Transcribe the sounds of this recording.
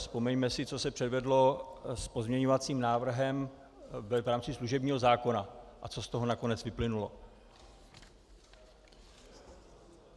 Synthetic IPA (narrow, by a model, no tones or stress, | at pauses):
spo̞mɛɲmɛsɪt͡so̞sɛpr̝̥ɛdvɛdlo̞spo̞zmɲɛɲo̞vat͡siːmnaːvr̩ɦɛm | vɛvɾaːmt͡sɪsluʒɛbɲiːɦo̞zaːko̞naʔat͡so̞st̪o̞ɦo̞nako̞nɛt͡svɪplɪnulo̞